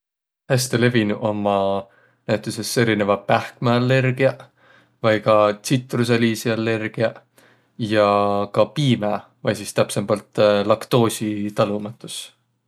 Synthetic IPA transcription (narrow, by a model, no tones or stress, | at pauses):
hæst̪ele̞vinuʔo̞mːɑ | næjt̪ˑuse̞se̞ɾine̞vɑpæhkmeɑlːe̞rɡ̥iɑ | vɑjɡɑt̪sit̪ˑrus̬eliːsiɑlːe̞rɡ̥iɑ | jɑkɑpiːmæ | vɑjsist̪æpsembɑlt̪ˑlɑkt̪o̞ːsʲit̪ɑlumɑt̪ːˑus